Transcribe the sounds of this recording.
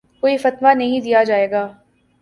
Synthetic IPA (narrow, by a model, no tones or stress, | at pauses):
koːifɐt̪ʋanɐɦĩd̪ijad͡ʒaːeːɡaː